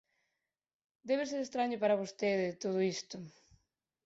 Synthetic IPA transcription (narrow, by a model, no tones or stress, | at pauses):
d̪eβes̬eɾest̪ɾaɲopaɾɐβost̪eðet̪oð̞ʊist̪ʊ